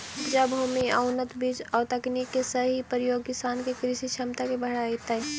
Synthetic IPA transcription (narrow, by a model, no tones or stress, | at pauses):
d͡ʒabʱomiaʊnət̪bid͡ʒɔːt̪əknikːesəɦipɾəjoːɡ̚kɪsaːnkekɾisit͡ʃʰɐmt̪akebəɦɽaːit̪ə